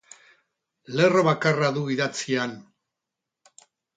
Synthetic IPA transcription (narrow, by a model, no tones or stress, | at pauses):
le̞reβakaraðuiðat͡sian